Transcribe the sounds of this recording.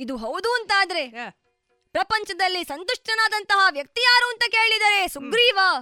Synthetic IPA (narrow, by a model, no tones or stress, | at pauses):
id̪uɦɐwd̪uɐnt̪aːd̪ɐɾe̞ | pɾɐpɐɲt͡ʃɐd̪ɐlːisɐnt̪uʂʈɐnaːd̪ɐnt̪ɐɦɐʋjɐk̚t̪ijaːɾuːɐnt̪ɐkeːɭid̪aːɾe̞suɡɾiːʋɐ